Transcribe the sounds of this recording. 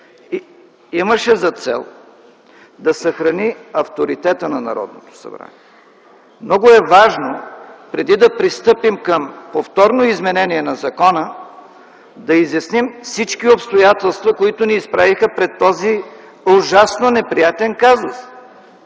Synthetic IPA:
i | iməʃɛzɐt̪sɛ̰lˠ | d̪ɐsɐxɾɐniɐft̪oɾit̪ɛt̪ənɐnɐ̰ɾɔ̰d̪̚not̪o̥sɐ̰bɾa̰niɛ | mnɔɡʊɛvaʒnopɾɛd̪id̪ɐpɾist̪ɤpimkəmpoft̪ɔɾnoizmɛnɛniɛnɐzɐkɔnə | d̪ɐizjɐsnimfsit͡ʃkiopst̪ojat̪ɛlˠst̪vɐkoit̪ʊniːspɾavixəpɾɛt̪ːɔzi | ʊʒasnonɛpɾijat̪ɛnkazʊs

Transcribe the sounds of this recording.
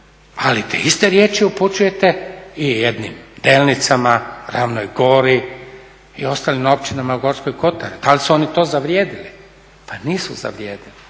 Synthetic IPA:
alit̪ḛist̪eɾjeːt͡ʃiuput͡ʃuje̞t̪eijed̪nḭmd̪e̞ːlnit̪samaɾaʋnojɡo̞ːɾi | io̞st̪aːlimo̞pt͡ʃinamaɡo̞ɾsko̞jko̞t̪aɾid̪alisuo̞nit̪o̞ːzaʋɾjeːd̪ili | paniːsuza̰ʋɾjeːd̪ili

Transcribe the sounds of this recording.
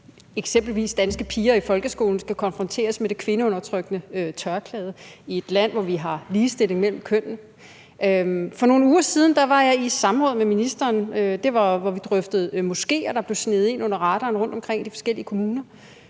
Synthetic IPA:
eɡ̥sem̰b̥l̩ʋḭːsd̥ænsɡ̥əpʰiːɐifɒ̽lɡ̥əsɡ̥o̝̰ːln̩sɡ̥ækʰɒ̽nfʁɒ̽nt͡sʰe̝̰ːɐsmed̥e̝kʰʋe̝nəɔ̽nɐt͡sʰʁœɡ̥nəøt͡sʰɶɐkʰlɛːð̞ˠie̝d̥læn̰ʋɒʋiɦɑ̈liːsd̥e̝le̝ŋmel̰m̩kʰøn̰n̩ | øfɒ̽no̝ːn̩uːɐsiːð̞ˠn̩d̥ɑ̈ʋɑ̈jɑ̈ɪi̥sɑ̈m̩ʁɔ̽ːð̩ˠmeminisd̥ɐːnød̥e̝ʋɑ̈ʋɒʋid̥ʁœfd̥ð̞̩ˠmo̝sɡ̥e̝̰ːɒ̽d̥ɑ̈b̥le̝ʊsne̝ð̞̩ˠe̝nɔ̽n̰ɐʁɑ̈ɾ̥ɐːnʁɔ̽n̰d̥ɒ̽mkʰʁeŋ̰d̥ifɒ̽sɡ̥el̰iəkʰo̝muːnɐ

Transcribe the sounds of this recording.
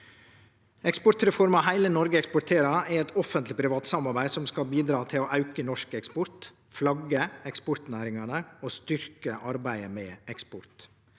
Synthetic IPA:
ɛkspɔt̪ɾɛfɔɾmɑɦæɪlənɔɾɡəɛkspɔt̪ʰeːɾɑɛɾɛt̪ɔfənt̪lɪpʰɾɪʋɑːt̪sɑmɑɾbæɪsɔmskɑlbiːd̪ɾɑːt̪ʰɪloːʔɑʉkənɔʂkɛkspɔɾt̪ | flɑɡəɛkspɔɾt̪næːɾɪŋɑnəoːst̪ʏɾkəʔɑɾbæɪəmɛːɛkspɔɾt̪

